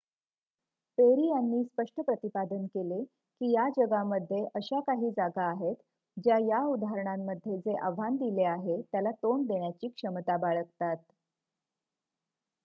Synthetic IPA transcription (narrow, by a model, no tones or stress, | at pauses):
peɾiːjanːiːspəʂʈʰəpɾət̪ipad̪ənkele | kiːjad͡ʑəɡaməd̪ʱːjeʔəɕakaɦiːd͡zaɡaːɦet̪ | d͡ʑjajaud̪ʱaɦɾəɳamːəd̪ʱːjed͡zeʔaʋ̤ʱand̪ileaɦet̪jalat̪ond̪eɳjat͡ɕiːkʂəmt̪abaɭəkt̪at̪̚